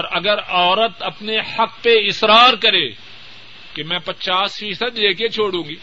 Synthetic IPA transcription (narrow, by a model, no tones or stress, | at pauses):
ɔɾɐɡəɾɔːɾət̪ɐpnehɐkpeɪsɾaːɾkɐɾeː | kemɛ̃ːpɐt͡ʃaːsfiːsəd̪leːket͡ʃʰoːɽũːŋɡiː